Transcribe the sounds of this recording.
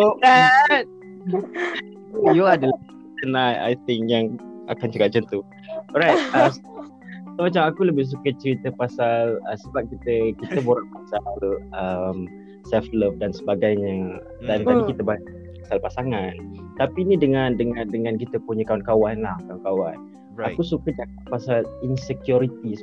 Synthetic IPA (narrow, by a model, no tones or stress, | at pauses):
oa | ujuadəla | t͡ʃənaja̰jt̪ɪŋkjaŋa̰kant͡ʃukap̚t͡ʃənt̪u | ɔɾajt̪̚a | somat͡ʃamakuləbɪhs̬ukət͡ʃəɾit̪əpasaləsəbap̚kit̪əkit̪əboɾaŋpasalʔəm | sɛlfləf̚dansəbaɡajɲə | dantaikit̪əba | pasalpasaŋant̪apinidəŋandəŋandəŋãnkit̪əpuɲəkawnkawanlahkawnkawan | akkusukət͡ʃakat̪̚pasalinsəkjuɾit̪is